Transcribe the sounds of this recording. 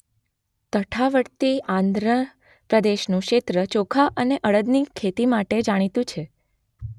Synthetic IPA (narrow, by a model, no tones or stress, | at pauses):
t̪əʈʰaʋəɽt̪iãnd̪ɾə | pɾəd̪eʃnũkʃet̪ɾət͡ʃokʰaʔəneʔəɭəd̪nikʰet̪imaʈed͡ʒaɽ̃it̪ũt͡ʃʰe